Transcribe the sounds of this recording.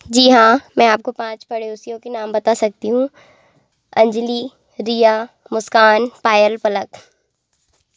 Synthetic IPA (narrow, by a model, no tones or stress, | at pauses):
d͡ʒiːɦãmɛ̃aːp̚kopãːt͡ʃpɐɽeoːsijõkenaːmbɐt̪asɐk̚t̪iɦũ | ɐ̃ɲd͡ʒliː | ɾija | mʊskaːnpaːjəlpɐlək